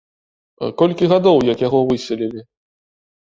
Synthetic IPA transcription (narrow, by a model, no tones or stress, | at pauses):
kɔlʲkʲiɣad̪ɔwjɐkjaɣɔvɨsʲɛlʲilʲi